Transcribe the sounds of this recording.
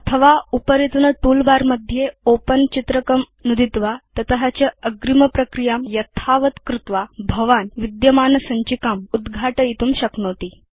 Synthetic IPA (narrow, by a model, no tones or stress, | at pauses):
ət̪ʰəʋaupəɾit̪unəʈulbaɾməd̪ʱːjeopənt͡ɕit̪ɾəkəm | nud̪it̪ʋat̪ət̪əɦat͡ɕjaəɡɾiməpɾəkɾijamjət̪ʰaʋət̪kɾut̪ʋabʱəʋanʋid̪jəmaːnəsaɲt͡ɕikamud̪ɡʱaʈəit̪uːmɕəknot̪iː